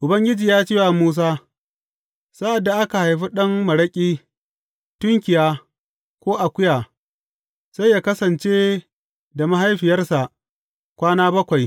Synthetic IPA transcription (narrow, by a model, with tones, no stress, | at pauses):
ʔʊ˨bɐ˦ŋɡʲɪ˦d͡ʒiː˨jaː˦t͡ʃiː˦wa˨muː˦s̬aː˦ | sa˦ʔa˨dːa˨ʔa˦ka˨ha˨jɸi˦ɗɐ˦ŋmɐ˨ɽɐ˦kʲʼiː˦ | tʊ˦ŋkʲɪ˨jaː˦ | kʷoː˦ʔa˨kʷʊ˦jaː˨ | sa˦jːaː˦kɐ˦sɐ˨nt͡ʃeː˦ | da˨ma˦ɦa˦jɸɪ˨jɐ˦rsa˨ʔ | kʷaː˦naː˦bɐ˦kʷa˨j